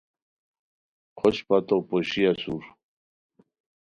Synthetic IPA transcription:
qʰoɕpat̪opoɕiasuɾ

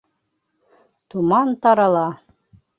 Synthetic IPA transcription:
t̪umɑnt̪ɑɾɑlˠɑ

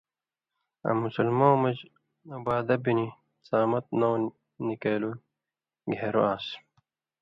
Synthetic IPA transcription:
ɐ̰mːusulmoːmɐd͡ʑ | ɐbaːd̪ɐbini | t͡saːmɐt̪̚now | nikeːlu | ɡeeɾoaːs

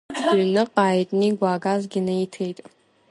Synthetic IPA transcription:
nɨqʼaːjtʼniɡʷaːɡazɡʲɪnɨitʰejtʼ

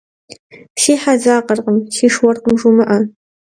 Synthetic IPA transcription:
ʃiːħazaːqɐrqəmʃiːʂwɐrqəmʐumɨʔɐ

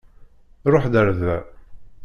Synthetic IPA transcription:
ɾˤoħd̪əɾðæ

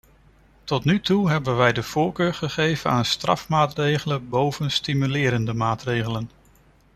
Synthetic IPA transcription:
tɔtnytuɦɛbənʋɛjdəv̥ʊːɹkøːɹχəχejv̥ənaːnstrɑ̰fmaːtrejχələbowv̥ənstimylɪːɾəndəmaːtrejχələn

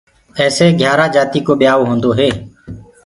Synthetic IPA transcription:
ɛːseːɡʱjaːɾaːd͡ʒaːt̪iːkoːɓɪjaːʋːɦõːnd̪oːɦeː

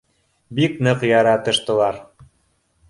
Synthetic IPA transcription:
biknɤqjɑɾɑt̪ɤ̆ʃt̪ɤ̆lˠɑɾ

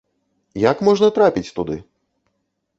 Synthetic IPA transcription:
jakmɔʐnɐt̪ɾapʲit͡sʲt̪ud̪ɨ̰

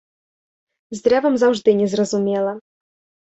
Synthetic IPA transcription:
zd̪ɾʲavɐmzɐʐd̪ɨnʲɛzrɐzʊmʲelˠɐ

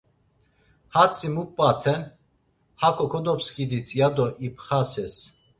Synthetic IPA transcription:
hat͡sʰʼimupʼːat̪ʰɛn | hakʰʼɔkʰɔd̪ɔpskʼid̪it̪ʰjad̪ɔʔipʰχasɛs

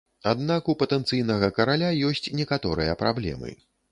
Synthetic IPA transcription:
ad̪nakupɐt̪ɛnt̪sɨjnɐɣɐkɐɾalʲajɔsʲt͡sʲnʲɛkat̪ɔɾɨ̰jɐ̰pɾablʲɛ̰mɨ̰

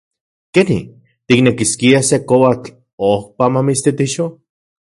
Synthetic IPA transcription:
kenḭ | t̪iknekiskiasekowat͡ɬ | ohpamamist̪it̪iʃo

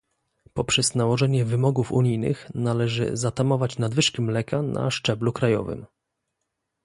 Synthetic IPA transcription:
pɔpʂɛznawɔʐɛɲɛvɘmɔɡufṵɲijnɘ̰xnalɛʐɘ̰zat̪amɔvat͡ɕnad̪vɘʂkʲimlɛkanʔa̰ʂt͡ʂɛblukɾajɔ̰vɘ̰m

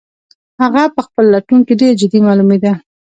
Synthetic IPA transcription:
haɣapəxpəlːaʈunkeɖeɾd͡ʒɪd̪imɑlumed̪a

